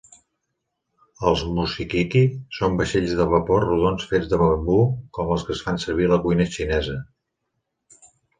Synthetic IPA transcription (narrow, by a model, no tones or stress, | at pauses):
əlˠzmusikikisombəʃeʎzðəβəporuðonsfed͡zðəməmbukɔməlˠskəsfansəɾβ̞iləkujnəʃinɛzə